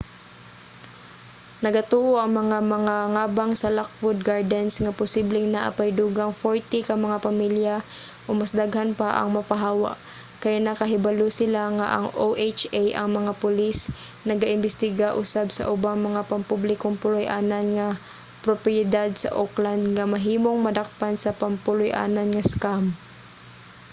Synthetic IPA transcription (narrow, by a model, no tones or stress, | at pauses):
nɐɡat̪uːʔoʔɐŋmɐŋamɐŋaŋaːbaŋsɐlak̚fʊd̪̚ɡaɹd̪ɛnsŋapʊsiblɪŋnaʔa̰pajd̪uːɡaŋfoɹt̪ikɐmɐŋapɐmilja | ʔomɐsd̪aɡhanpaʔɐ̰ŋmɐpaɦaːwa̰ʔ | kɐjanɐkɐɦɪbalosɪlaŋa̰ʔɐŋoʔet͡ʃajʔɐ̰ŋmɐŋapʊlis | nɐɡaʔɪnbɛst̪ɪɡaʔʊsabsɐ̰ʔʊbaŋmɐŋapɐmpublɪkoŋpʊlʊjʔaːnanŋɐ | pɾopɪjɪd̪ad̪̚sɐ̰ʔokland̪̚ŋɐmɐɦiːmoŋmɐd̪ak̚pansɐpɐmpʊlʊjʔa̰ːnɐnŋɐskam